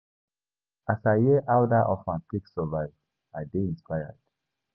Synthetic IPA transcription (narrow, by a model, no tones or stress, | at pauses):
asajɛʔawdaʔɔfãntiksɔvaɪv | adeĩnspaja̰d̥